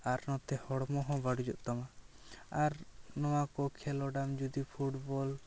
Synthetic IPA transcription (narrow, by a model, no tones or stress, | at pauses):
aɾnɔ̃t̪ɛhɔɽmɔɦɔ̃baɽud͡ʒɔ̰ʔt̪ɔmaaɾnɔwakɔkʰɛlɔɖamd͡ʒud̪ipʰuʈbɔl